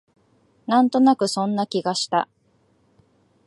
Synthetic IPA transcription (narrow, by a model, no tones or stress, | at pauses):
nãnt̪o̞nakɯ̟sõ̞nːakʲiɡaɕi̥t̪a